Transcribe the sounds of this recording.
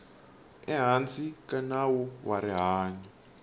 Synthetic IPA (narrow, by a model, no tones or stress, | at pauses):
ɛɦant͡sʼikanawuwaɾiɦaːɲɔ